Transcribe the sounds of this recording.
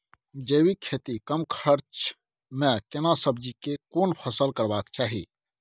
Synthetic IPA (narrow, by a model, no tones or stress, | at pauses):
d͡ʒəwikʰet̪ikəmkʰəɾt͡ʃ | mẽkenasəbd͡ʒikekonpʰəsəlkəɾbakt͡ʃaːɦḭ